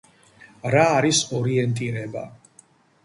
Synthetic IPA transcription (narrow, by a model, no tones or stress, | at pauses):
ɾaːɾisɔɾiɛnt̪ʼiɾɛba̰